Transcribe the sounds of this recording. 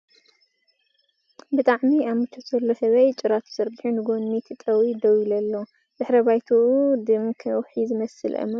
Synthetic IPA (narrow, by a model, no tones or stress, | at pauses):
bɨt̪ʼaʕmiamɨt͡ʃʰːot̪z̥ɐlːo̞sɐβɐjt͡ʃʼɪɾat̪ʰzɐɾbiħunɨɡonːit̪ʰt̪ʼɐwid̪ɐwilɐlːo | z̥ɨħɾɐbajt̪ʰuʔud̪ɨmkʰɐwħizɨmɐsɨlʔɐ̰mɐ